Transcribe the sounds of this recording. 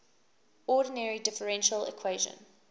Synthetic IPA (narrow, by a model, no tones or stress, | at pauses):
ɔɾənɛɹidɪfəɹɛ̃nʃəlɪ̰kʰw̥eɪʒə̰̃n